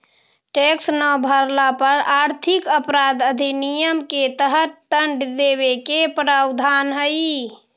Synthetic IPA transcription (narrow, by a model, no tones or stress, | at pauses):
ʈeksnəbʱəɾlapəɾaɾt̪ʰikəpɾad̪əd̪ʱinijəmket̪əɦət̪ːəɳɖd̪eβekepɾawd̪ʱanɦəj